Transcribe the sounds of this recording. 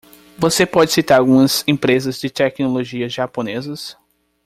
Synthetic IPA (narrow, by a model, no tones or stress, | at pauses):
vosepɔd͡ʒɪsit̪aɾawɡũɐzẽpɾezɐzd͡ʒɪt̪ɛknoloʒiɐzʒapõnezɐs